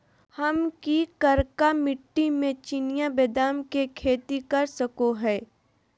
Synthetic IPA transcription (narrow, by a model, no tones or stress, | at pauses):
hɐmkikɐɾkamɪʈːimẽt͡ʃɪnijabeːd̪aːmkekʰeːt̪ikɐɾsɐkoɦɛː